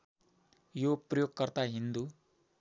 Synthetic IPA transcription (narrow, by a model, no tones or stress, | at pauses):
joprʌjoɡkʌrt̪aɦind̪u